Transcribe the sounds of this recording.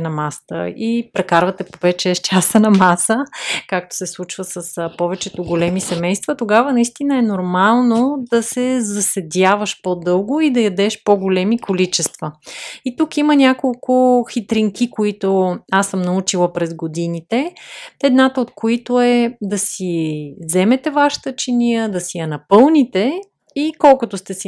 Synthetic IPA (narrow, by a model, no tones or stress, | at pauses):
nɐmast̪ə̰ipɾɛkaɾvɐt̪ɛpovɛt͡ʃɛt͡ʃasənɐmasəkak̚t̪o̥sɛslˠut͡ʃvəsəspɔvɛt͡ʃɛt̪oɡolɛmisɛmɛjst̪vət̪oɡavənɐist̪inəɛnoɾmalˠnod̪ɐsɛzɐsɛd̪ʲavəʃpod̪ɤlˠɡʊid̪ɐjɐd̪ɛʃpoɡolɛmikolit͡ʃɛst̪vəit̪ukimənʲakolˠkʊxit̪ɾiŋkikoit̪oasəmnɐut͡ʃilˠəpɾɛzɡod̪init̪ɛɛd̪nat̪əot̪koit̪oɛd̪ɐsizɛmɛt̪ɛvaʃi̥t̪ət͡ʃinijəd̪ɐsijɐnɐpɤlˠnit̪ɛ | ikɔlˠkʊt̪ost̪ɛsi